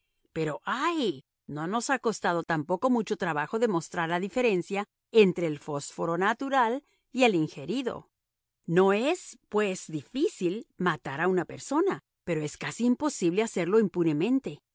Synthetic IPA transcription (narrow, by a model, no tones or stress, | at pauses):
pe̞ɾo̞ʔaj | no̞no̞sako̞st̪að̞o̞t̪ampo̞ko̞mut͡ʃo̞t̪ɾaβaxo̞ðe̞mo̞st̪ɾaɾlaðife̞ɾe̞nsja | e̞nt̪ɾe̞ːlfo̞sfo̞ɾo̞nat̪uɾal | ie̞liŋxe̞ɾiðo̞̰ | no̞e̞spwe̞zðifisilmat̪aɾaunape̞ɾso̞na | pe̞ɾo̞e̞skasiːmpo̞siβle̞ase̞ɾlo̞impune̞mẽ̞nt̪e̞